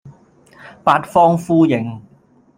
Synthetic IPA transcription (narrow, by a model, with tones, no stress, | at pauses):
paː˧t̚fɔː˥ŋfuː˥jɪ˨˩ŋ